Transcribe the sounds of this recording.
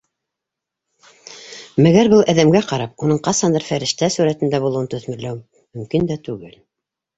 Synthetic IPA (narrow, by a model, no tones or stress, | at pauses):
mæɡæɾbɤlˠʔæðæmɡæqɑɾɑp̚unɤɴqɑsɑnd̪ɤɾfæɾɘ̆ʃt̪æsuɾæt̪ɘ̆nd̪æbulˠɤ̆wɤnt̪ɵ̆θmɘ̆ɾlæw | mɵ̆mkind̪æt̪ʉɡɘl